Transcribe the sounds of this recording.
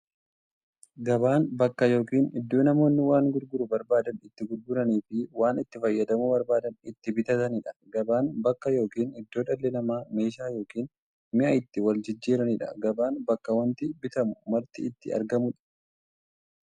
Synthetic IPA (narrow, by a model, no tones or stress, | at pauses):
ɡɐbaːnbɐkːɐjo̞ːkiːnɪd̪ːo̞ːnɐmo̞ːnːɪwaːŋɡʊɾɡʊɾʊbɐɾbaːd̪ɐnɪt̪ːɪɡʊɾɡʊɾɐniːfɪwaːnɪt̪ːɪfɐjːɐd̪ɐmʊbɐɾbaːd̪ɐnɪt̪ːɪbɪt̪ɐt̪ɐnɪᶑɐ̥ɡɐbaːnbɐkːɐjo̞ːkiːnɪd̪ːo̞ːᶑɐlːɛnɐmaːme̞ːʃaːjo̞ːkiːn | mɪʔɐɪt̪ːɪwɐld͡ʒɪd͡ʒːiːɾɐnɪᶑɐ̰ɡɐbaːnbɐkːɐwɐnt̪ɪbɪt̪ɐmʊmɐɾt̪ɪɪt̪ːɪ̰ɐ̰ɾɡɐmʊᶑɐ̥